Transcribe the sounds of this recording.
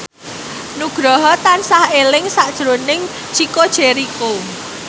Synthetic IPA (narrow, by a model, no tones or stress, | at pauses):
nuɡ̥ɾɔɦɔt̪ansahelɪŋsaʔd̥ʒ̥ɾonɪŋ̥ | t͡ʃikod̥ʒ̥eɾiko